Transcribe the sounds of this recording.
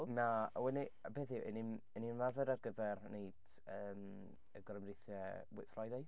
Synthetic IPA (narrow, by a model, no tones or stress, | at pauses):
nawɛnibeːθiʔə̰ninəninvavɛɾarɡəvɛrneɨd̥ | əːm | əɡrəmrɪθɛəwɪ̰frajdaj